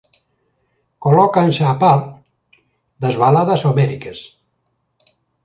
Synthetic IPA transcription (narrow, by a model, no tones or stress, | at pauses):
kolɔkanseapaɾ | d̪ɐzβalaðɐsomɛɾikes